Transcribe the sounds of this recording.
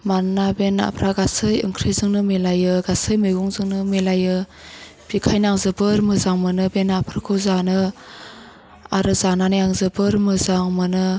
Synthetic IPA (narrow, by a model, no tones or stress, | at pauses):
manːabena̰pʰɾʔaɡasɯjɯ̰ŋkʰɾezɯŋnɯmelajɯɡasɯjmɯjɡuŋzɯŋnɯmelajɯ | b̥ikʰajnaŋzɯbɯɾmɯzaŋmɯnɯbenapʰɾakʰɯzanɯ | aɾɯzananɯjaŋzɯbɯɾmɯzaŋmɯnɯ